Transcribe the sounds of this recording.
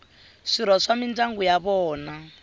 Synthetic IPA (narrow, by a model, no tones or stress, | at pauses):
ʂiɾɔʂamindaŋɡujaβɔːna